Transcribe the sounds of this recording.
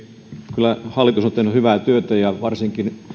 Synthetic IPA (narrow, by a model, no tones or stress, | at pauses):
kylːˑæhɑlːˑit̪usont̪eihnyhyʋæˑt̪yøt̪æjɑʋɑrsiŋkin